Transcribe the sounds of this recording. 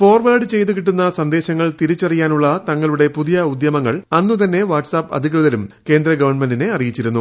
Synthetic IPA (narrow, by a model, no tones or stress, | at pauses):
fo̞ːrʋaːɖɨt͡ɕe̞jt̪̬ukiʈːunːɐsɐnd̪e̞ːɕɐŋːɐɭt̪iɾit͡ɕːɐrijaːnuɭːɐt̪ɐŋːɐɭuɽe̞puðijɐud̪jɐmɐŋːɐɭɐnːut̪ɐnːe̞ʋaːʈsaːpːɐ̰d̪ʱik̬rɨðɐlumke̞ːnd̪ɾɐɡɐʋɐrɳmendine̞ɐrijit͡ɕːiɾunːu